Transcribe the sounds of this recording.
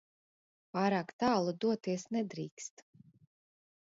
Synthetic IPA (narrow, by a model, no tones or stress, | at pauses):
paːɾaːkt̪aːlˠud̪uɔt̪iɛsnɛd̪ɾiːkst̪